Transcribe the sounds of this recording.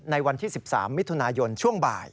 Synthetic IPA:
na˧jwa˧nt̪ʰiː˥˩si˨˩p̚sa̰ː˩˦mːi˦˥t̪ʰːu˧naː˧jo˧nt͡ɕʰu˥˩əŋba̰ː˨˩j

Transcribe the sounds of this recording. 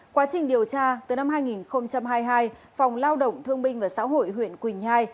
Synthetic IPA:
kwaː˨˦t͡ɕï˨˩ŋ̟ɗi˨˩əwt͡ɕaː˧t̪ɨ˨˩na˧mɦaː˧jŋi˨˩nxə˧wŋ͡mt͡ɕa˧mɦaː˧jɦaː˧j | fa˨˩wŋ͡mlaː˧wɗə̰˧˨wŋ͡mt̪ʰɨ˧əŋɓï˧ŋ̟vaː˨˩sa̰ː˧˥wɦo̰˧˨jɦwḭ˧˨ənkwï˨˩ŋ̟haː˧j

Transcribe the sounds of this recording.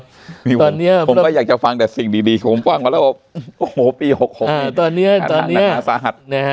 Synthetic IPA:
miː˧t̪ɔː˧nːi˦˥ɐpo˨˦˧kɔː˧˩jaː˨˩k̚t͡ɕa˨˩fa˧ŋt̪ɛː˨˩si˨˩ŋdiː˧˩diː˧˩o˩˦mfaː˧˥˩ŋa˧˥lːbɔː˨˩p̚ʔoː˧oː˨˦piː˧ho˨˩k̚ho˨˩ʔaː˧˩˧t̪ɔː˧nːi˦˥ɐa˧t̪ɔː˧˨n˦ni˦a˧˥ɐaː˨˦saː˨˦ɦa˨˩t̪̚na˦

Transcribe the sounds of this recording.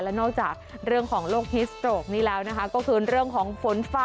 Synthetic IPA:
lɛ˦˥nɔː˥˩k̚t͡ɕaː˨˩k̚ɾɯ˥˩əŋkʰɔː˩˦ŋloː˥˩k̚ni˦˥st̪ɾoː˨˩k̚niː˦˥lɛː˦˥wna˦˥kʰa˦˥kɔː˥˩kʰɯː˧ɾɯ˥˩əŋkʰɔː˩˦ŋfo˩˦nfaː˦

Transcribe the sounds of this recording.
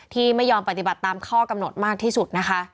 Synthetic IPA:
t̪ʰiː˥˩ma˥˩jːɔː˧mpa˧t̪i˨ba˨˩t̪ːaː˧mkʰɔː˥˩ka˧mno˨˩t̪̚maː˥˩k̚t̪ʰiː˥˩su˨˩t̪̚na˦˥kʰa˦˥

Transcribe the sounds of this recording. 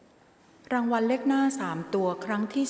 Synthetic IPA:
ɾaː˧ŋwa˧nle˥˩k̚naː˥˩saː˩˦mt̪u˧ɐkʰɾa˦˥ŋt̪ʰiː˥˩

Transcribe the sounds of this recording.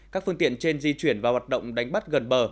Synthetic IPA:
kkaː˦˥k̚fɨ˧ŋt̪ḭ˧˨ənt͡ɕe˧nzi˧t͡ɕwi˧˩ənvaː˨˩hwaː˨˩t̚ɗə̰˧˨wŋ͡mɗa˨˦jŋ̟ɓa˦˥t̚ɣə˨˩nɓəː˨˩

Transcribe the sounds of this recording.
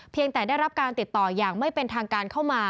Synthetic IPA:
pʰi˧əŋt̪ɛː˨˩daː˥˩jɾa˦˥p̚kaː˧nt̪i˨˩t̪ːɔː˨˩jaː˨˩ŋma˥˩jpe˧nt̪ʰaː˧ŋkaː˧nkʰa˥˩wmaː˧

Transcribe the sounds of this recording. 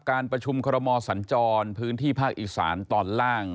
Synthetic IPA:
kaː˧npɾa˧t͡ɕʰu˧mkʰɔː˧ɾa˧mɔː˧sa˩˦nt͡ɕɔː˧npʰɯː˦˥nt̪ʰiː˥˩pʰaː˥˩k̚ʔiː˨˩sa̰ː˩˦nt̪ɔː˧˩nlaː˥˩ŋ

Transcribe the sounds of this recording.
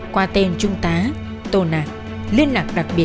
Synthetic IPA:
kwaː˧t̪e˧nt͡ɕʊ˧ŋ͡mt̪aː˨˦ | t̪o˧naː˨˩ | li˧ənːa˨˩k̚ɗa˨˩k̚ɓi˨˩ə

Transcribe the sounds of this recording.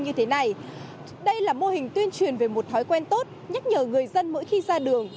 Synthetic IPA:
ɲɨ˧t̪ʰe˨˦na˨˩j | ɗə˧jlaː˨˩mo˧hï˨˩ŋ̟t̪wi˧ənt͡ɕwi˨˩ənve˨˩mo˨˩t̚t̪ʰɔ˨˦jkwɛ˧nt̪o˦˥t̚ɲa˦˥t̚ɲəː˨˩ŋɨ˨˩əjzə˧nmə̰˧˥jxi˧zaː˧ɗɨ˨˩əŋ

